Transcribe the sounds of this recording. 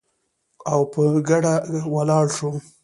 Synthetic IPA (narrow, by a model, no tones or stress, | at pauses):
awpəɡaɽawalɑɽʃo